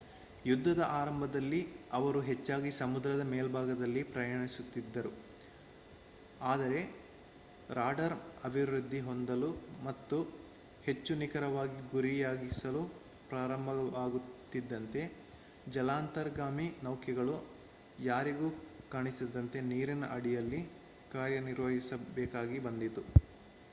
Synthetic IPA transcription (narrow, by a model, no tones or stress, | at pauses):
jud̪ʱːɐd̪ɐʔaːɾɐmbʱɐd̪ɐlːiɐʋɐɾuɦet͡ʃːaːɡisɐmud̪ɾɐd̪ɐmeːlbʱaːɡɐd̪ɐlːipɾɐjɐɳisut̪ːid̪ːɐɾu | aːd̪ɐɾe̞ | ɾaːɖɐɾɐbʱiʋɾud̪ʱːiɦo̞nd̪ɐlumɐt̪ːu | he̞t͡ʃːunikɐɾɐʋaːɡiɡuɾijaːɡisɐlu | pɾaːɾɐmbʱɐɐʋaːɡut̪ːid̪ːɐnt̪e̞ | d͡ʒɐlaːnt̪ɐɾɡaːminɐwkjɛɡɐɭu | jaːɾiɡuːkaːɳisid̪ɐnt̪e̞niːɾinɐʔɐɽijɐlːi | kaːɾjɐniɾʋɐɦisɐbɛːkaːɡibɐnd̪it̪u